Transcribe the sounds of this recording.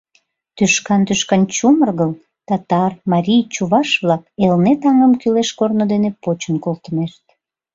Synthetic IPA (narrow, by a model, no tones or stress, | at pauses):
t̪yʃkɑnt̪yʃkɑnt͡ɕumərɣəl | t̪ɑt̪ɑrmɑɾʲijt͡ɕuβɑʃβlɑkelnet̪ɑŋəmkyleʃkornod̪enepot͡ɕənkolt̪əmeʃt̪̚